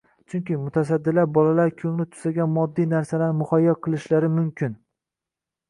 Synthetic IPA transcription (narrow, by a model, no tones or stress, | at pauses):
t͡ʃʰʊŋkʲɪmʊt̪ʰas̬ad̪ːɪlaɾbɒlalaɾkʲʰɵŋlɪt̪ʰʊ̥saɡʲanmɒd̪ːijnaɾsalaɾmʊχajːɒqʰɨlˠɪʃlaɾɪmʊmkʲʰɪn